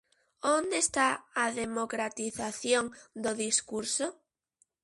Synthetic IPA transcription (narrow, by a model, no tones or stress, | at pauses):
ond̪est̪aaðemokɾat̪iθaθjoŋd̪ʊðiskuɾso